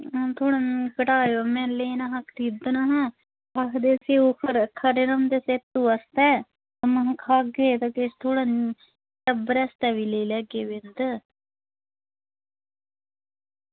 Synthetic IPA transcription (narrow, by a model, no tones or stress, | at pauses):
t̪ʰoːɽãnkəʈaːjoːmɛ̃ːleːnaɦãkʰɾid̪ənaɦãː | akʰd̪eːsiːoːkʰəɾkʰəɾeɾəmd̪eːseːt̪ːuːəst̪ɛː | əmə̃kʰaːɡeːt̪akest̪ʰoːɽaːn | ʈəbəɾɛːst̪ɛːʋiːleilɛːɡeːʋɪnd̪ə